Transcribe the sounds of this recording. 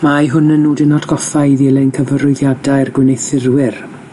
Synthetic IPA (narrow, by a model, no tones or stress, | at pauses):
majɦʊnənːuːdɪnɔdɡɔfaɨðiːlˠejnkʰəvəɾʊɨðjadaɨrɡwɪnejθɪrwɪr